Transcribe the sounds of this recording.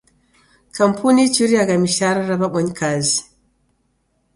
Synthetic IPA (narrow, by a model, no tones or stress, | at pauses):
kam̩pʰunit͡ʃiɾiaɡamiʃaɾaɾabaɓɔɲkʰazi